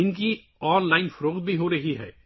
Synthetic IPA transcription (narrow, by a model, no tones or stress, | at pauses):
ɪnki | ɔːnlaːɪnfɐɾoːqd̪̚bʱiɦoɾɐɦiɦɛ̰ː